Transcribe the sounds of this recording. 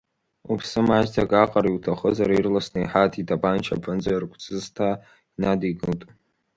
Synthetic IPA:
upʰsɨmaʒtʰakʼaqʼaɾiwtʰaχəzaɾairlasnɨiħatʰidʰabʼant͡ʃʰa̰pʰɨnd͡zarkʷʰʼt͡sʰʼɨztʰa | inadiɡɨltʼ

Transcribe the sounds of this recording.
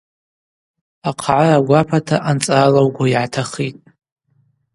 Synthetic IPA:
aqʰʕaraɡʷapʰatʰaʔant͡sʼalawɡʷaiʕatʰaχitʼ

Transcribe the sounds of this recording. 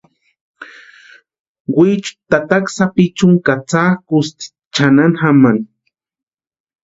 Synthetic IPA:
wit͡ʃʊ̥t̪at̪aksapit͡ʃʊŋkat͡sakʊst̪i̥ | t͡ʃananxaman

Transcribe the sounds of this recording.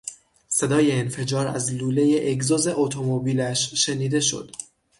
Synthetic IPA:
se̞d̪ɒːje̞ːnfe̞d͡ʒɒːɾæ̰zluːle̞je̞ʔeɡzoze̞ʔot̪ʰomobiːlæʃʃeniːd̪e̞ʃo̞̰d̪̥

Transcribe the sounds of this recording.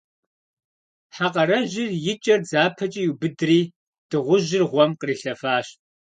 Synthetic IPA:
ħaqʼɐɾɐʒɪrjɪt͡ʃʼɐrzaːpʰɐt͡ʃʼijubɨdriː | d̥ɨʁʷʊʒɪrʁʷɔmqəriːɬɐfaːɕt

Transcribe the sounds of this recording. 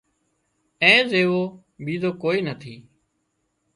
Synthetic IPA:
ɛ̃ːzeːʋoː | bʱiːd̪oːkoːiːnət̪ʰiː

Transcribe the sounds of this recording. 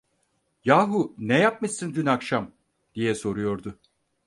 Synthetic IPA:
jaːɦunɛjap̚mɯsɯnd̪ynakʃam | d̪̥ijɛso̞ɾujo̞ɾd̪ʊ

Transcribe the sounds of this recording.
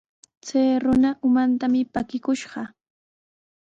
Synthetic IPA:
t͡sajɾʊnaʔʊmant̪amɪpakɪkʊʃɢɑ

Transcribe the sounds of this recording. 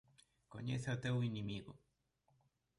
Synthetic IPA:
ko̰ɲeθeot̪ewinimiɣo

